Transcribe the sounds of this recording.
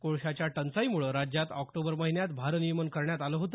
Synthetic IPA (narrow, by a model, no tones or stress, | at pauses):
koɭɕat͡ɕjaʈənt͡saimuɭəɾad͡ʑjat̪ɔkʈobəɾməɦinjat̪bʱaɾənijəmənkəɾɳjat̪aləːɦot̪ə